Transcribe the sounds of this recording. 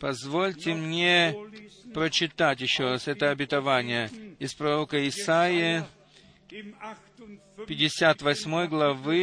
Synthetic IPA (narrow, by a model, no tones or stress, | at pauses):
pɐzvo̞lʲtʲɪmnʲe̞ | pɾət͡ɕɪt̪atʲjɪɕːoɾasɛt̪əɐbʲɪt̪ɐvanʲɪjəɪspɾɐɾo̞kəɪsajɪ | pʲɪdʲɪsʲat̪vɐsʲmo̞jɡlˠɐvɨ